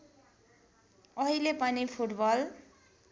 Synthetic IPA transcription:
ʌɦilepʌnipʰuʈbʌl

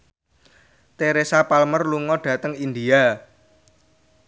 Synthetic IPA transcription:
t̪eɾesapalmərluŋɔɖ̥ä̤t̪əŋind̪ia

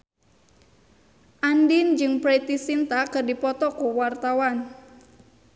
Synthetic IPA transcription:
ʔandɪnd͡ʒɨŋpɾet̪isint̪akɨrdipɔt̪ɔkuwart̪awan

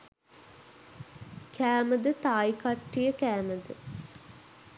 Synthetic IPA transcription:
kʰæːməd̪ət̪aːikaʈːijəkæːməd̪ə

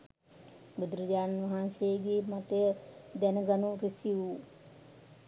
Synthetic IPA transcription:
bəd̪ɾəd͡ʒaːnʋaɦanseəɡemat̪əjəd̪ɛnəɡanuɾisiu

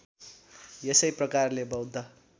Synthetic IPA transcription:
jʌsʌjprʌkarlebʌwd̪ʱːʌ

